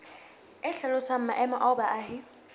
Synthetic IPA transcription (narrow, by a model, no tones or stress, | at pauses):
ɛɬɛlʊsam̩maʔɛmaʔɔbaʔaːhɪ